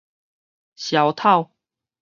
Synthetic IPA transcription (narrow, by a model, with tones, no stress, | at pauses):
ɕjɑ˨˩ʊt̪ʰa˥˨ʊ